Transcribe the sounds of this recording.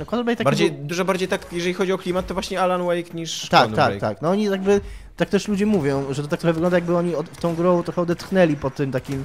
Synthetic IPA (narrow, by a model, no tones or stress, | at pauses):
kwɔt̪ɾbajt̪abaɾd͡ʑejd̪uʐɔbaɾd͡ʑejt̪akjɛʐɛlʲixɔd͡ʑiɔklʲimat̪ːɔvwaɕɲɛalanwɛjkɲiʂt̪akk̪t̪akt̪a̰knɔɔɲijaɡ̚bɘt̪ak̚t̪ɛʂlud͡ʑɛmuvʲjɔ̃w̃ʐɛt̪ɔt̪ak̚t̪ɾɔxɛvɘɡlɔnd̪ajaɡ̚bɘɔɲiɔt̪ɔ̃w̃ɡɾɔ̃wt̪ɾɔxɛɔd̪ɛt̪xnɛlʲipɔt̪ɘmt̪akʲim